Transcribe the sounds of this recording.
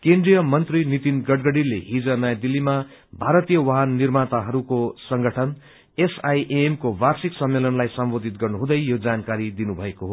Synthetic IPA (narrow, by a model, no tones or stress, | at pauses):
kend̪rijʌmʌnt̪rinit̪inɡʌɽɡʌɽileɦid͡zʌnʌjad̪ilːima | bʱaɾʌt̪ijʌwʌɦanːirmat̪aɦʌɾukosʌŋɡʌʈʰʌn | esajʔeemkowarsiksʌmːelʌnlajsʌmbod̪ʱit̪̚ɡʌrnuɦũd̪ʌjjod͡zankaɾid̪inubʱʌekoɦo